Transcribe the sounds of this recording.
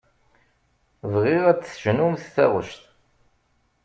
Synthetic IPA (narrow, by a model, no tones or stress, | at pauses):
vʁɪʁæt͡sːθʒnumθθæ̰ʁə̰ʃt̪